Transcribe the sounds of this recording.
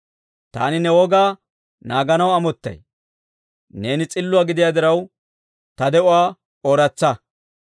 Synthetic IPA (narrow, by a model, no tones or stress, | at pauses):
t̪a̰ːnɪnɛwɔɡaː | naːɡɐnɐwɐmɔt̪ːɐ̰j | ne̞ːnɪt͡sʼɪlːʊwaːɡɪd̪ɪjaːd̪ɪɾɐw | t̪ɐd̪ɛʔʊwaː | oːɾɐt͡sːɐ